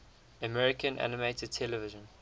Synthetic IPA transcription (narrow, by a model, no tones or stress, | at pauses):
əmɛɹɪkə̃nʔæ̰nɪmeɪtəd̚tʰɛləvɪʒə̃n